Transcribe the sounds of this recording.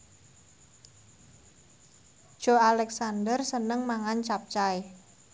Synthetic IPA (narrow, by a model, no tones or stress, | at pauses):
d̥ʒ̥o̤alɛksandərsənəŋmaŋant͡ʃap̚t͡ʃae